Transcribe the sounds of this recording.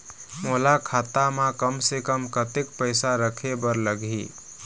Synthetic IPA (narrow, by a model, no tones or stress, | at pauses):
molakʰat̪amãkəmsekəmkət̪ekpəɪsaɾəkʰebəɾləɡʱḭ